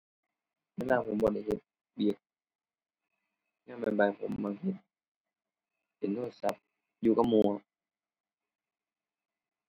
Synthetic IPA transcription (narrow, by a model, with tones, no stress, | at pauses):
weː˧˨laː˧pʰo˨˦mbɔː˧˦da˧˩jɦe˨˧˦t̪̚ | bi˨˧˦ək̚ | naː˧˥˩ma˧˨nba˨˧˩jpʰo̰˨˦mːa˧ŋhe˨˧˦t̪̚ | pe˨˦ndoː˥˩t̪̚sa˧˦p̚ | juː˧ka˧˥p̚mu˧˨ə˧